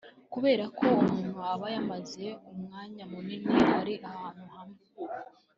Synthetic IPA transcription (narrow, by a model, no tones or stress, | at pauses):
kuβe̞ːɾakʰo̞umuːn̥huaβajamaze̞umŋaːɲamunimihaɾiʔahaːn̥huhamŋe